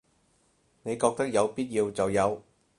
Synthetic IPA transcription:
ne˨˧jkɔː˧k̚t̪ɐ˥k̚jɐ˨˧wpiː˥t̚jiː˧wt͡sɐ˨wjɐ˨˧w

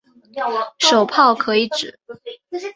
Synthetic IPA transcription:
ʂo˨˩ʊpʰɑ˥˩ʊkʰɤ˧˥i˧˥ʈ͡ʂɻ̩˨˩˦

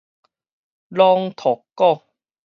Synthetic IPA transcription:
lɔː˧ŋt̪ʰɔ˨˩kːɔ˥˩ŋ

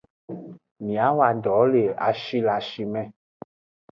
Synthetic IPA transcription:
mĩ˨a˨˦wa˨dɔ˨˦le˨a̰˨ʃi˦la˨ʃi˧mɛ̃˦˨

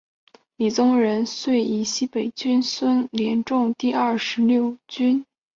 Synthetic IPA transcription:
li˨˩t͡sʊ˥ŋɻə˧˥nswe˥˩ɪi˨˥˩ɕi˥pe˨˩ɪt͡ɕy˥nswə˥nljɛ˧˥nʈ͡ʂʊ˥˧ŋt̪i˥˧ɐ˥˩ʂɻ̩˧˥ljo˥˩ʊt͡ɕy˥n

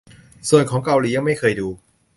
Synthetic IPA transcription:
su˨˩ənkʰɔː˩˦ŋka˧wliː˨˦ja˧ŋma˥˩jkʰɤː˧jduː˧

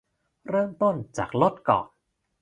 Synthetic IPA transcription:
ɾɤː˥˩mt̪o˥˩nt͡ɕa̰ː˨˩k̚lo˦˥t̪̚kɔ̰ː˨˩n̚

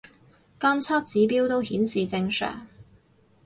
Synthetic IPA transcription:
kɐ˥nt͡sʰɐ˥t̚t͡siː˨˥piː˥wt̪o˥whiː˨˥nsiː˨t͡sɪ˧ŋsœ̰ː˨˩ŋ

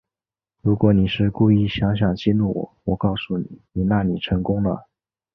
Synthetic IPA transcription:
ɻu˧˥kwɔ˧˥ni˨˩ʂɻ̩˥˧ku˥˧i˥˩ɕjɑ˧˥ŋɕ̬jɑ˨˩ŋt͡ɕi˥˧nu˥˩wɔ̰˨˩˦wɔ˨˩kɑ˥˧ʊsu˥˩nḭ˨˩˦ni˨˩na˥˩ni˨˩ʈ͡ʂʰɤ˧˥ŋkʊ˥ŋnə̰˨

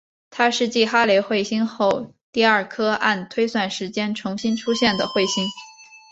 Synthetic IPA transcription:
t̪ʰa˥ʂɻ̩˥˧t͡ɕi˥˩xa˥le˧˥ɪxwe˥˩ɪɕi˥nxo˥˩˧ʊ | t̪i˥˧ɐə˞˥˩kʰɤ˥a˥˩nt̪ʰwe˥ɪswa˥˩nʂɻ̩˧˥t͡ɕjɛ˥nʈ͡ʂʰʊ˧˥ŋɕi˥nʈ͡ʂʰu˥ɕjɛ˥˩nd̪ə˩xwe˥˩ɪɕi˥n

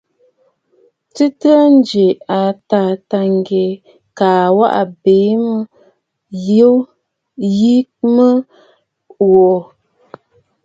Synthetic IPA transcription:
tɨ˦tɨ˦a˦n˦d͡ʒe˨a˨ta˨ta˨ŋ˨ɡe˨ | kaː˨wa̰˦ʔa̰˨be˨˦mə˦ | jo˦ | ji˦kmə˦ | wɔ˨

